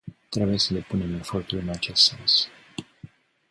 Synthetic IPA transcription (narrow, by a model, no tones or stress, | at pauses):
t̪ɾe̞buje̞səd̪e̞pune̞me̞fo̞rt̪ulɨnat͡ʃe̞st̪se̞ns